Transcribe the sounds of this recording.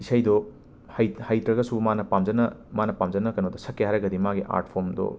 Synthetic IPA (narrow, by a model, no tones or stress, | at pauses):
isajdɔ | hajhajtɾɐɡɐsumanɐpamd͡ʒɐnɐmanɐpamd͡ʒɐnɐkɐnodɔsɐkːejaɾɐɡɐdimaɡiʔa̰ɾtpʰomdɔ̰